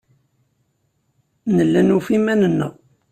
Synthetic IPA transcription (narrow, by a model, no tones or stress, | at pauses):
nəlːænufimænənːə̰ʁ